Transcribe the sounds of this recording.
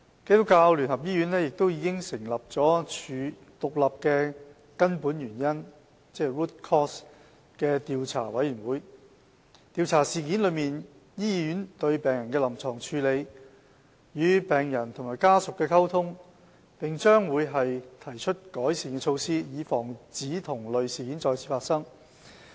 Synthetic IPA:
ke˥jt̪ʊ˥kːaː˧wly˨˩nhɐ˨˩p̚jiː˥jy˨˥nlɛ˥jɪ˨k̚t̪o˥wjiː˨˧˥kɪ˥ŋsɪ˨˩ŋlɐ˨p̚t͡sɔː˨˥yː˨˧ | t̪ʊ˨k̚lɐ˨p̚kɛː˧ | kɐ˥npuː˨˥njyː˨˩njɐ˥n | t͡sɛː˥ɹuː˥t̚kʰɔː˥s | kɛː˧t̪iː˨wt͡sʰaː˨˩wɐ˨˥jyː˨˩nwuː˨˥j | t̪iː˨˧wt͡sʰaː˨˩siː˨˩ki˨˥nlɵ˨˧ɥmiː˨n | jiː˥i˧jyː˨˥nt̪ɵ˧ɥpɛː˨ŋjɐ˨˩nkɛ˧lɐ˨˩mt͡sʰɔː˨˩ŋt͡ʃʰyː˨˧le˨˧j | jyː˨˧pɛː˨˩ŋjɐ˨˩nt̪ʰʊ˨˩ŋmaː˨˩jkaː˥sʊ˨kːɛː˧kʰɐ˥wt̪ʰʊ˥ŋ | pɪ˨ŋt͡ʃœː˥ŋwuː˨˧jɦɐ˨jt̪ʰɐ˨˩jt͡ʃʰɵ˥t̚kɔː˨˥jsiː˨nkɛ˧t͡ʃʰo˧wsiː˥jiː˨˧fɔː˨˩ŋt͡siː˨˥t̪ʰʊ˨˩ŋlɵ˨ɥsiː˨kiː˨˥nt͡sɔː˧jt͡sʰiː˨˩faː˧˥tsɐ˥ŋ

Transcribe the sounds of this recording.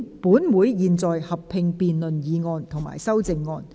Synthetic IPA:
puː˨˥nwuː˨˧jjiː˨nt͡sɔː˨jhɐ˨ppʰɪ˧ŋpiː˨nlɵ˨njiː˨˧ŋɔː˧nt̪ʰʊ˨˩ŋma̰ː˨˩jsɐ˥wt͡sɪ˨ŋːɔː˧n

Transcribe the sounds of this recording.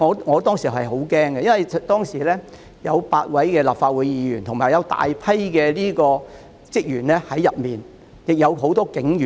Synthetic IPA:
ɔː˨˧ŋɔː˨˧t̪ɔː˥ŋsiː˨˩ɦɐ˨jɦo˨˥wkɛː˥ŋkɛ˧jɐ˥nwɐ˨jʰt̪ɔː˥ŋsiː˨˩lɛː˥ | jɐ˨˧wpaː˧t̚wɐ˨˥jkɛː˧laː˨˩pfaː˧t̚wu˨˧jjiː˨˧jyː˨˩nt̪ʰʊ˨˩ŋmaː˨˩jɐ˨˧wt̪a̰ː˨jpʰɐ˥jkɛː˧liː˥kɔː˧ | t͡sɪ˥k̚jyː˨˩nlɛː˥hɐ˨˥jːɐ˨p̚miː˨n | jɪ˨k̚jɐ˨˧wɦo˨˥wt̪ɔː˥kɪ˨˥ŋyː˨

